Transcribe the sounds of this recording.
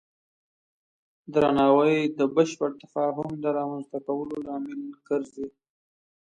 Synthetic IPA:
d̪ɾanɑwəjd̪əbəʃpəɽt̪afɑɦʊmd̪əɾɑmanzt̪akawəlolɑmɪlkəɾzi

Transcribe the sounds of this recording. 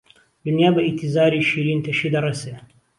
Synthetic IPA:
d̪unjaːbɐʔit̪ʰizaːɾiːʃiːɾiːnt̪ʰɐʃiːd̪ɐrese

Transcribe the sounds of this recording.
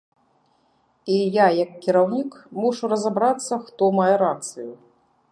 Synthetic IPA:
ijajɐkːʲiɾawnʲikmɔʂuɾɐzabɾat̪sːɐxt̪ɔmajɛɾat̪sɨju

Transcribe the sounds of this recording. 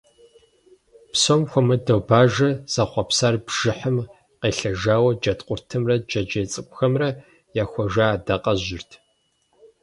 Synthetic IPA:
psomxʷɔmɨdɐwbaːʒɐz̥ɐχʷɐpsaːrbʒ̥ɪħəm | qeːɬɐʒaːwɐd͡ʒɐtqʷʼʊrtʰɨmrɐd͡ʒɐd͡ʒeːt͡sʼɨkʷʼxɐmrɐ | jaːxʷɔʒaːdɐqʼɐʑɪrtʰ

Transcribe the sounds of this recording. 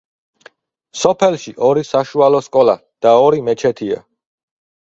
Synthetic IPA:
sɔpʰɛlˠʃiʔɔɾisaʃualɔskʼɔla | d̪̥aɔɾimɛt͡ʃʰɛt̪ʰia̰

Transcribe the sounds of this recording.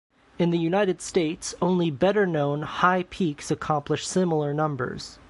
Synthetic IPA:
ɨ̃nðɨjʉnaɪɾɨd̥steɪtsõʊ̃nlibɛɾə˞nõʊ̃nhaɪpʰiksɨkʰɑ̃mpləʃsɪ̃ml̩ˠə˞nʌ̃mbə̰˞z̥

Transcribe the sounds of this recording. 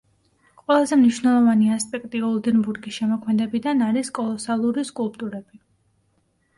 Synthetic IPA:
qʼwɛlˠazɛmniʃwnɛlˠɔvaniaspʼɛkʼt̪ʼiɔlˠd̪ɛnbuɾɡisʃɛmɔkʰmɛd̪ɛbid̪anaɾiskʼɔlˠɔsalˠuɾiskʼulˠpʼt̪ʼuɾɛb̥i

